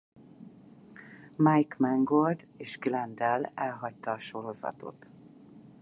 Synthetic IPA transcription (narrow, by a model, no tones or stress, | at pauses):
majkmɛŋɡold̪ | eːʒɡlɛnd̪ɛlɛlɦɒct̪ɒːʃo̞ɾo̞zɒ̰t̪o̰t̪